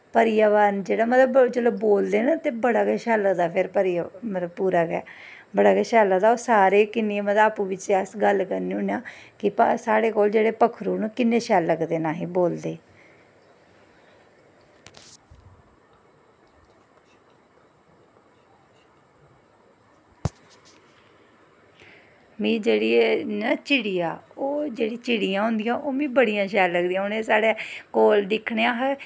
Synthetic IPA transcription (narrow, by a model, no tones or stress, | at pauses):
pəɾɪjaːʋaːnd͡ʒeːɽaːmət̪ləbd͡ʒəloːbboːld̪eːnãːt̪eːbəɽaːɡɛːʃɛːləkd̪aːpʰɪɾpəɾɪjamət̪ləbpuːɾaːɡɛ̰ː | bəɽaːɡɛːʃɛːlad̪aːoːsaːɾeːkɪnːeemət̪aːpũːʋɪt͡ʃeəsɡəlkəɾniːʊnjaːkɪpsaːɽeːkoːld͡ʒeːɽeːpəkʰɾuːnũːkɪnːeːʃɛːlːəɡd̪eːnaːɦĩːboːld̪eː | mĩːd͡ʒeːɽiːnət͡ʃɪɽiːaːoːd͡ʒeːɽiːt͡ʃɪɽijãːɦʊ̃nd̪ijãːʔoːmĩːbəɽijãːʃɛːlləɡd̪iːãːʊneːsaːɽeːkoːld̪ɪkʰːɳeːãːɦɛ